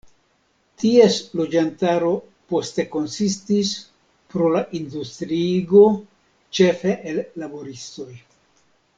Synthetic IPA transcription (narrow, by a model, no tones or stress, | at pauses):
tie̞slo̞d͡ʒantaɾo̞ | po̞ste̞ko̞nsistis | pɾo̞laʔindustɾiɡo̞ | t͡ʃe̞fe̞ʔelːabo̞ɾisto̞j